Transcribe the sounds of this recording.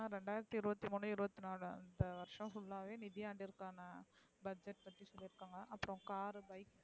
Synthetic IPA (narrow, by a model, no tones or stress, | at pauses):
aːɾɛɳɖaːɪɾɐt̪ːiɪɾɯbɐt̪ːimuːɳːɯɪɾɯbɐt̪ːinaːlɯɐ̰nd̪ɐʋɐɾʂɐ̃fʊɭːaːʋeːnɪðɪjaːɳɖiɪɾɯkːaːnɐ | bɐd͡ʒɛʈ̚pɐt̪ːisɔlːɪɾɯkːaːŋɡɐʔɐpːɯɾɔ̃kaːɾbɐɪk